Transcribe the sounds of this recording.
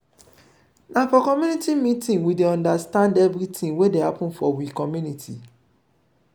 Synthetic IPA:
nãfɔkɔmjunitimĩtĩŋwideɔ̃ndastãndɛvɾitĩŋwedehapɔ̃nfɔwikɔmjunitʰḭ

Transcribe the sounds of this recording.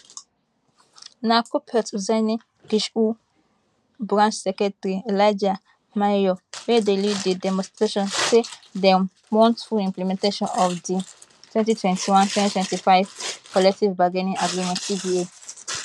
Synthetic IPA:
nakupʰɛtuzɛni | ɡ̥iʃu | bɾãnt͡ʃsɛkɛtaɾielajd͡ʒa | majjowedeliddidɛmɔ̃nstɾeʃɔ̃nsedɛ | mɔ̃ntfulĩmplimɛ̃nteʃɔ̃nɔfdi | tʰwɛ̃ntitʰwɛ̃ntiwãntʰwɛ̃ntitwɛ̃ntifajvkɔlɛk̚tivbaɡɛnĩʔaɡɹimɛ̃ntsivie

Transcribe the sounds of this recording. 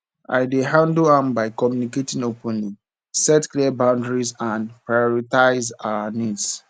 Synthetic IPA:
a̰ɪdeɦãndoãmbaɪkɔmjuniketĩnopʰɔ̃ni | sɛtkliabãʊ̃ndɹizãnpɹajɔɹitaɪzaənĩds

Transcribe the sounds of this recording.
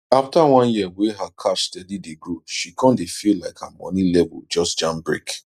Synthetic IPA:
aftawɔ̃njiɛweɦakʰaʃstɛdideɡɹoʃikʰɔ̃ndefillaɪka̰mɔ̰̃nĩlɛbud͡ʒɔstd͡ʒãmbɹḭk

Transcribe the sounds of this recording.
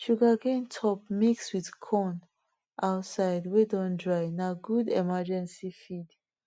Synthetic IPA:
ʃuɡaɡẽntʰɔp̚mikswiðkʰɔn | ʔaʊtsaɪdwedɔ̃ndɹaɪnaɡudɛmad͡ʒɛ̃nsifid̥

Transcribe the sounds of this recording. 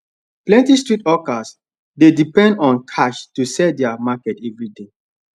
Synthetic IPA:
plɛ̃ntistɹitɔkas | dedipɛ̃ndɔ̃nkʰaʃtusɛdɛamakɛtɛvɹide

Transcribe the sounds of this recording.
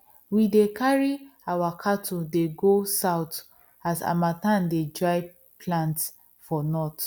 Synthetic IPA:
widekʰaɹiawakʰatʰudeɡosaʊt | asa̰matãndedɹaɪ | pʰlãnt | fɔnɔt

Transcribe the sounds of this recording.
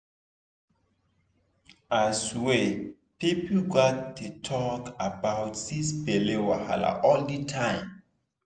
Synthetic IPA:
aswe | pipl̩ɡɔtːutʰɔkabaʊtsisbelewaha̰la̰ʔɔlditʰãɪ̃m

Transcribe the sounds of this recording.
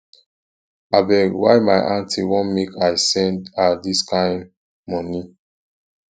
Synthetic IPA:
abɛwaɪma̰ɪʔãntʰiwɔ̃nmekaɪsɛ̃ndadiskʰãɪ̃n | mɔni

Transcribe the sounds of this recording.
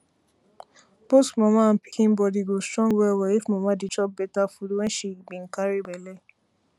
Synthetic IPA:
bosmɔ̃mãm̩pi̥kʰĩm̩bɔdiɡostɾɔ̃ŋɡwɛwɛifmɔ̃mãdit͡ʃɔp̚bɛtafuduwɛ̃nʃebĩŋ̩kaɾibɛlɛ

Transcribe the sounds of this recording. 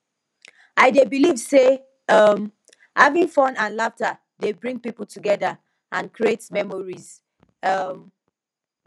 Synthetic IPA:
aɪdebilivse | ʌm | havĩŋfɔ̃nãnlaftə | debɹĩŋɡ̚pipl̩ˠtʰuɡɛðə | ʔãnkʰɹietmɛmɔɹiz̥ | ʌm

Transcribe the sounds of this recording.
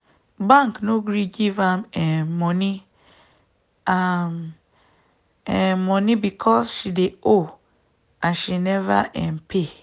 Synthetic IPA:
bãŋknoɡɾiɡivãmɛmɔ̃nĩ | am | ɛmɔ̃nĩbikʰɔsʃideo | aʃinɛva̰ʔɛ̃mpʰe

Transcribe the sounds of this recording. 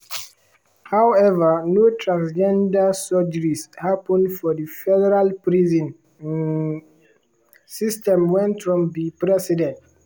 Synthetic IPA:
hawɛvənotʰɹãnsd͡ʒɛ̃ndasɔd͡ʒəɹishapə̃ndfɔðəfɛdɛɹalpɹizə̃n | sistɛ̃mwɛ̃ntfɹɔ̃mdipɹɛsidɛ̃nt

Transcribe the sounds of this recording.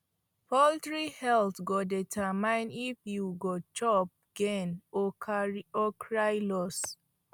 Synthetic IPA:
pʰɔltɹihɛltɡɔdɛtʰamãɪ̃nifjuɡɔt͡ʃɔp̚ɡ̥ɛ̃n | ɔkʰɹajlɔs

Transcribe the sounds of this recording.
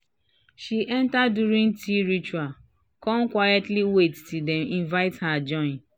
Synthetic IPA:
ʃiʔɛ̃ntaduɾĩŋtʰiɹit͡ʃual | kɔ̃nkwajɛtliwettidɛ̃mĩnvaɪthad͡ʒɔ̃n

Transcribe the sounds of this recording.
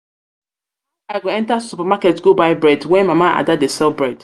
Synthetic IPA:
aɪɡoɛ̃ntassupamakɛtɡobaɪbɹɛdwɛ̃nmamaʔa̰dadesɛlbɹɛd̥

